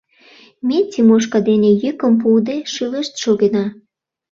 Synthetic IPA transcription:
mʲetʲimoʃ̬kɑd̪enejykəmp̬uld̪eʃɯləʃt̪ʃoɣenɑ

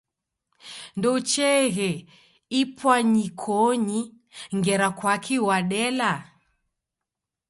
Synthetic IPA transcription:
ndɔut͡ʃɛɣɛ | ipwaɲikʰɔɲi | ŋɡɛɾakwakʰiwaɗɛla

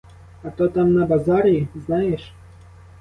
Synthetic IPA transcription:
at̪ɔt̪amnɐbazaɾʲiiznajɛʂ

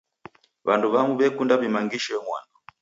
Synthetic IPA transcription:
βanduβamuβɛkundaβimaŋɡiʃɔɛŋwa̰nɔ

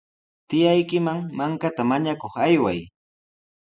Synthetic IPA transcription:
t̪ɪjajkɪmaŋmaŋkat̪amaɲakoχajwaj

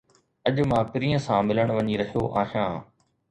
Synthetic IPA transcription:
ɐʄmãːpɪɾiːə̃sãmɪləɽ̃ʋɐɲiɾɐɦijoʔaːɦijãː

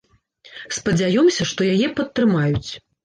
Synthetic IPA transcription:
spɐd͡zʲajɔmsʲɐʂt̪ɔjajɛpɐt̪ːɾɨmajut͡sʲ

